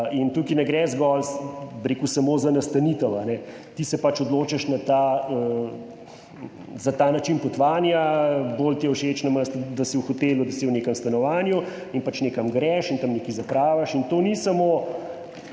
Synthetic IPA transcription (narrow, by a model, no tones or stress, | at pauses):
int̪ukinɛɡɾɛzɡɔlbɾekusɐmoːzanɐst̪ɐnit̪əwanɛ | t̪isɛpat͡ʃɔd̪loːt͡ʃɐʃnat̪aə | zat̪aːnat͡ʃinpɔt̪ʋaːnjabolt̪jɛwʃet͡ʃnɐməst̪d̪ɐsiwuxɔt̪eːlud̪ɐsiwneːkəmst̪ɐnɔʋaːnju | inpat͡ʃneːkɐmɡɾɛʃint̪ɐmnekizɐpɾaːʋaʃint̪oːnisɐmo